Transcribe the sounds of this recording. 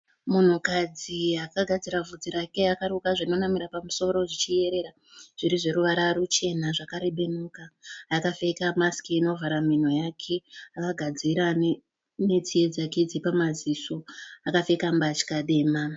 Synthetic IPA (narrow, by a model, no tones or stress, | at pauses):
mun̤ukad͡ziakaɡʱad͡ziɾavʱud͡ziɾake̞akaɾukaʐaino̞namiɾapamuso̞ɾo̞ʐit͡ʃije̞ɾe̞ɾa | ʐ̥iɾiʐe̞ɾuʋaɾaɾut͡ʃe̞naʐakaɾe̞ɓe̞nukaːkafe̞kamaskiːno̞vaɾamin̤o̞jakʰe̞akaɡʱad͡ziɾa | ne̞t͡sije̞d͡zake̞d͡zipamaziso̞akafe̞kambat͡ʃi̥kaɗe̞ːma